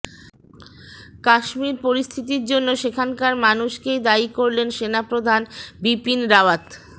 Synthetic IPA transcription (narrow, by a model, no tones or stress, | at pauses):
kaʃmiɾpoɾist̪ʰit̪̬iɾd͡ʑonːoʃekʰankaɾmanuʃkejd̪aikoɾlenʃenapɾod̪ʱanbipinɾawat̪